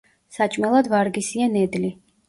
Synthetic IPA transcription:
sat͡ʃʼmɛlˠad̪vaɾɡisianɛd̪li

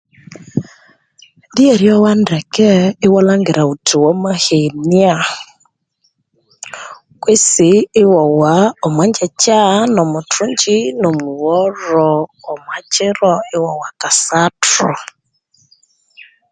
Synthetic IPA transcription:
dieɾjɔwandɛkɛɪwɔlaŋɡeɾautʰuwɔmahenia | kwesiːwɔwaɔmwaɲd͡ʒɛt͡ʃanɔmotuɲd͡ʒinɔmuwɔɾɔːmwat͡ʃɪɾɔɪwɔwakasatɾɔ̰

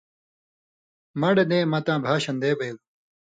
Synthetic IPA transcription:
mɐɽenẽːmɐt̪ãːbʱaːɕɐnd̪eːbɐjuw

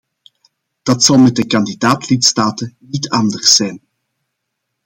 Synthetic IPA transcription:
d̥ɑtsɑlˠmɛt̚dəkɑndidaːtlitstaːtənitɑndərsɛjn

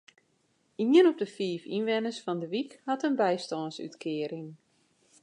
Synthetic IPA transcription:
iənɔp̚dəfiːfḭnʋɛnəsfɔndəʋikhatənbɛjstɔːnsy̰tkʰɪəɾɪŋ

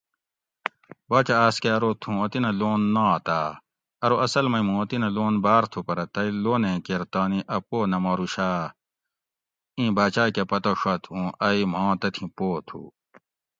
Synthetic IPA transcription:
baːt͡ɕaaːskeɐɾot̪ʰũɐt̪inɐloːnːãːt̪aː | ɐɾoɐsɐlmɐjmũɐt̪inɐloːnbaːɾt̪ʰupɐɾɐt̪ɐiloːnẽkeɾt̪aːnĩʔɐpoːnɐmɐːɾuɕaː | ĩːbaːt͡ɕaːkepɐt̪oɕɐt̪ʰũʔɐim̤ɑ̃ːt̪ɐt̪ʰĩpoːt̪ʰṵ

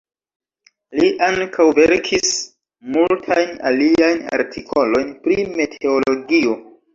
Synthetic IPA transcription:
liʔaŋkʰawve̞ɾkʰis | multʰajna̰liajna̰ɾtʰikʰo̞lo̞jnpɾime̞tʰe̞olo̞ɡio̞

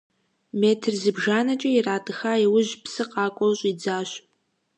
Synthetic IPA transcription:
meːtʰɨrzɨbʒaːnɐt͡ʃʼɐiraːtʼɨxaːiwʊʑpsɨqɑːkʷʼɔwɕʼid͡zaːɕ

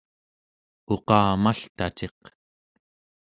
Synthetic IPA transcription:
oqɑːmaɬt̪at͡ʃe̞q

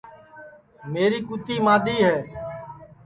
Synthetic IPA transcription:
meːɾiːkut̪iːmãːɗ̪iːɦɛː

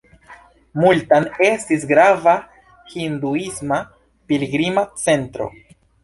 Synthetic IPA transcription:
multane̞stisɡɾava | hind̪uisma | piliɡɾimat͡se̞ntɾo̞̰

